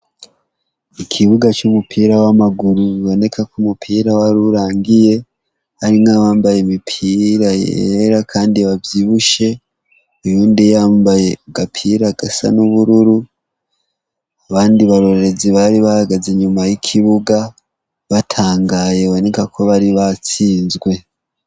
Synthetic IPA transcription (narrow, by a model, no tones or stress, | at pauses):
ikʰiβuɡat͡ʃumupʰiːɾawamaɡuɾuiβo̞ne̞kʰakumupʰiːɾawaɾuɾaːŋɡije̞ | haɾiŋaβaːmbajemipʰiɾajeḛḛɾakʰaːndiβavjiβuʃe̞ | ejuːndijaːmbaje̞ɡapʰiːɾaɡ̥asa̰nuβuɾuɾu | aβaːndiβaɾo̞ɾeɾe̞ziβaɾiβahaɡazeɲumajikʰiβuɡa | βatʰaːŋɡajeβo̞ne̞kakʰo̞βaɾiβat͡siːnzɡwe̞